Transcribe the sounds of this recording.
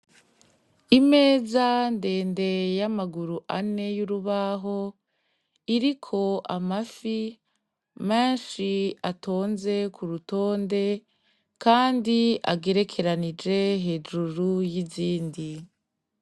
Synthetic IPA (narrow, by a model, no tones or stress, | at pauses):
ime̞ːzande̞ːnde̞jamaɡuɾuʔane̞juɾuβaɦo̞ | iɾikʰo̞ʔamafi | meːnʃiatʰo̞ːnze̞kʰuɾuto̞ːnde̞ | kaːndia̰ɡe̞ɾe̞kʰe̞ɾanid͡ʒe̞ɦe̞d͡ʒuɾujiziːndi